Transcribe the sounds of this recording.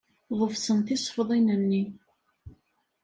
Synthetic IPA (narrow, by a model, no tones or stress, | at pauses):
ðˤəfsənθɪsˤfəðˤinənːi